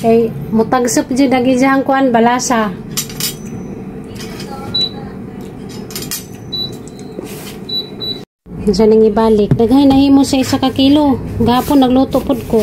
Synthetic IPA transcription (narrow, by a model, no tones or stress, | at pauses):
kajmʊt̪aɡsɨp̚d͡ʒɨdaɡid͡ʒaɦaŋkuanbalasa | s̬anaŋibalɪk̚daɡɦajnahimʊsaisakakiloɡapʊnːaɡlut̪ʊʔpʊd̪̚ko